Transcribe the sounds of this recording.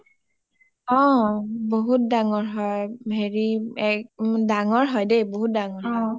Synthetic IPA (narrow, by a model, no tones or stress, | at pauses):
ɔ̃boɦut̚daŋɔɹɦɔjbʱeɹiɛkdaŋɔɹɦɔjdejboɦut̚daŋɔɹɦɔ